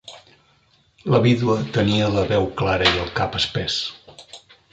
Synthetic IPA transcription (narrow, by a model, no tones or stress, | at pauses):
ləβiðuət̪əniələβɛwklaɾəiəlˠkapəspɛs